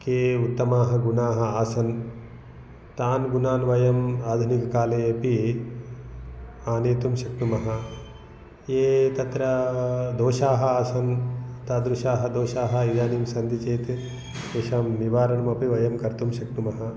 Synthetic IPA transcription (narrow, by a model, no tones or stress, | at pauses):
keːut̪ːɐmaːɦɐ̆ɡunaːɦɐaːsɐn | t̪aːnɡunaːnʋɐjɐmaːd̪ʱunikɐkaːleːpi | aːneːt̪umʃɐknumɐɦɐ | eːt̪ɐt̪ɾɐd̪oːʃaːɦɐaːsɐnt̪ɐd̪ɾuʃaːɦɐd̪oːʃaːɦɐ̆id͡ʒaːniːmsɐnd̪it͡ʃeːt̪ | uʃaːmniʋaːɾɐɳɐmɐpiʋɐjɐmkɐɾt̪umʃɐknumɐɦɐ